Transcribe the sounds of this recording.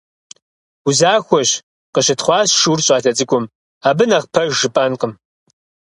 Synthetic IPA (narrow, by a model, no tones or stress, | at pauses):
uzaːxʷɔɕ | qəɕɪtχʷɑːɕʂurɕʼɑːtʰɐt͡sʼɨkʷʼʊm | aːbɨnɐʁpʰɐʒʒɨpʼanqəm